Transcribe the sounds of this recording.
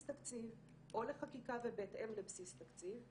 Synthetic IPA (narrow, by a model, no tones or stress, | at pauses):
st̪akt͡siv | ʔo̞leχakikavebetemlebsist̪akt͡siv